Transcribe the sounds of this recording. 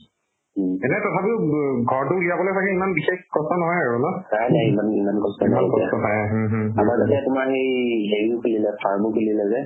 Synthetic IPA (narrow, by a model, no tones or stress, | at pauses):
ɦɛnɛtɔtʰapiʊɡʱɔɹt̬ʊlijabɔlojsakɛimanbixexɡɔstɔnɔɦɔjaɹunɔnajnajimanimankɔstɔnɔatkɔiatɔtʰajɦɦamaɹtatɛtʊmaxejɦeɹiʊkʰulilɛpʰaɹmukʰulilɛzɛ